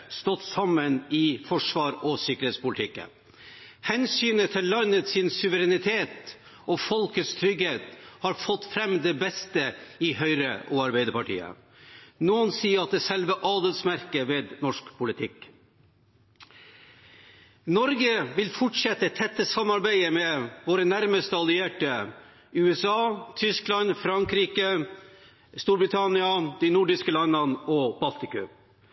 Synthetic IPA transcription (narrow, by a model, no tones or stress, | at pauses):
st̪ɔt̪sɑmənɪfɔʂʋɑːɾɔsɪkəɾheːt̪spʊlt̪ʰɪkːə̰ | hɛnsyːnət̪ʰɪlːɑnːət̪sɪnsʉʋəɾɛnɪt̪ʰeːt̪ | ʔɔfɔlkət̪st̪ʰɾʏɡheːt̪hɑːɾfɔt̪ːfɾɛmd̪ɛbɛst̪əɪhœʏɾəʔɔːɑɾbɛɪd̪əɾpɑʈḭːə̰ | nuːənsiːəɾɑt̪̚d̪ɛsɛlʋəʔɑːd̪ət̪smæɾkəʋeːd̪nɔʂkpʰʊlɪt̪ʰɪk | nɔɾɡəʋɪlfɔʈʂɛt̪ːət̪ʰɛt̪ːəsɑmːɑɾbæɪəmɛʋoːɾənæɾməst̪əɑlɪeːʈə | ʉːɛsɑːt̪ʰʏsklɑnfɾɑŋkɾiːkə | st̪uːɾbɾɪt̪ʰɑnɪɑd̪̥iɪnuɖɪskəlɑnːənɔb̥ɑlt̪ɪkʉ̰